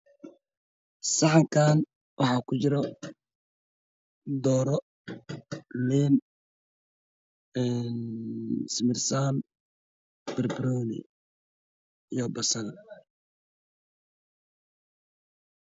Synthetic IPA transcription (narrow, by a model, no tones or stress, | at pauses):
sɑħɑŋkʰaːn | wʔɑħɑːkʰʊt͡ʃɪɾɔ | d̪ɔːɾɔ | lɛːn | ɛn | smɪrsaːn | b̥ɪrbɾɔːnɪ̰ | jɔːbɐsɐnɐ